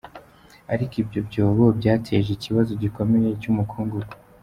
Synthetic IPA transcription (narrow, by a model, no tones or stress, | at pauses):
aɾikibɟo̞bɟo̞ːβobɟaːtʰeʒeciβazo̞ɟiko̞me̞je̞cumukʰuːŋɡuɡ